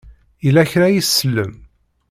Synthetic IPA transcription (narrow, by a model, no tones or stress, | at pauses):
ilæçɾæjisːəlːəm